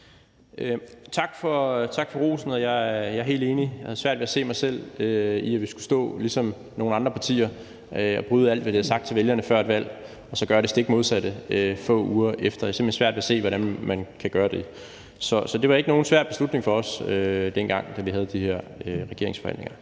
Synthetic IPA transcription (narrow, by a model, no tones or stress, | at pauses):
t͡sʰɑ̈ɡ̥fɒ̽t͡sʰɑ̈ɡ̥fɒ̽ʁo̝̰ːsn̩ɒjɑɪjɑ̈ɦe̝̰ld̥e̝ːnijɑhæð̞̩ˠsʋæɐ̰d̥ʋe̝æse̝̰ːmɑ̈ɪsel̰øiæʋisɡ̥u̥sd̥ɔ̰̽ːlisɒ̽m | no̝ːn̩ɑ̈nd̥ʁɐpʰɑ̈t͡sʰḭːɐ | øɒ̽b̥ʁyːð̞ˠæl̰d̥ʋæd̥eæsɑ̈ɡ̥̚t͡sʰe̝ʋeljɐnəfɶɐed̥ʋæl̰ | ɒ̽sɒ̽ɡ̥ɶːɐɾ̥esd̥e̝ɡ̥mo̝ðˠsæd̥əøfɔ̰̽ːuːɐʔefd̥ɐjɑsemb̥lhensʋæɐd̥ʋe̝æse̝̰ːʋɒɾænmænkʰæɡ̥ɶːɐd̥e̝ | sɒ̽sɒ̽de̝ʋɑ̈e̝ɡ̥əno̝ːn̩sʋæɐ̰d̥b̥e̝slud̥neŋfɒ̽ːsød̥en̰ɡ̥ɑ̈ŋ̰d̥æʋiɦæð̞̩ˠd̥iheɐ̰øʁɛɡ̥e̝ɐe̝ŋsfɒ̽hæ̰n̰nḛŋɐ